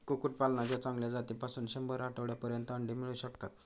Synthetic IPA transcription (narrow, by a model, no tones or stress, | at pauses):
kukuʈ̚palnad͡ʑjat͡sãŋɡljad͡zat̪ipasuːnɕembəɾaʈəʋɭjapəɾjənt̪əəɳɖimiɭuːɕəkt̪at̪